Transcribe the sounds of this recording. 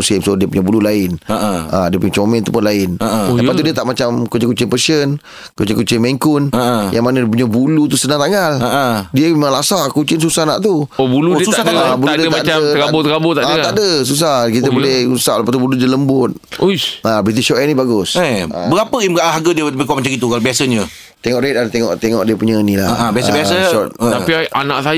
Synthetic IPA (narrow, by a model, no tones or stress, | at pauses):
usɪmsodiəpuɲabululaɪnaʔadiəpuɲat͡ʃomɛnt̪upʊnlaɪnaʔapat̪udiət̪aʔmat͡ʃamkut͡ʃɪŋkut͡ʃɪŋpəsən | kut͡ʃɪŋkut͡ʃɪŋmeŋkʊnaʔajʔaŋmanadiəp̬uɲabulut̪̬usənaŋt̪aŋalaʔadiəmemãŋlasaʔkut͡ʃɪnsusahnaʔt̪uobuluiəsuaad̪abuludəəmadaəkabot̪əkabot̪aʔadəaʔdəs̬us̬ahkit̪əbolɛhusaʔlapat̪ubuludələmbʊt̪̚uabit̪isʃɔʔɛnĩbaɡʊsaa̰bəɣapəibəaɦaɡədiəpekɔmat͡ʃaɡit̪ukalobiasəɲə | t̪eŋɔʔɾet̪̚adt̪eŋɔʔt̪eŋɔʔdiəpuɲainila̰aãbiasəbiasəʃɔt̪̚apianaʔsaj